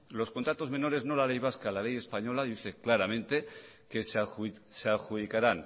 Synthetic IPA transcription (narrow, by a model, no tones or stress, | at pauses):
lo̞sko̞nt̪ɾat̪o̞zmẽ̞no̞ɾe̞zno̞lale̞jβ̞askalale̞je̞spaɲo̞laðiθeklaɾamẽ̞nt̪e̞ | ke̞sseaxuðikaɾan